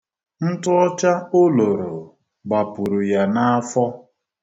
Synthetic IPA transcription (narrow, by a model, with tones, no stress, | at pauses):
n̩˦tʊ˦ɔ˦t͡ʃa˦o˦lo˨ɾo˨ | ɡ͡ba˨pʊ˨ɾu˨ja˨na˦a˦fɔ˦